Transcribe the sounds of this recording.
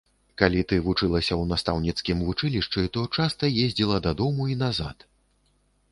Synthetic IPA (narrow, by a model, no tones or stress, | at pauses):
kalʲit̪ɨvut͡ʂɨlˠɐsʲɐwnast̪awnʲit̪skʲimvut͡ʂɨlʲiʂt͡ʂɨt̪ɔt͡ʂast̪ɐjezʲd͡zʲilˠɐd̪ɐd̪ɔmuinaza̰t̪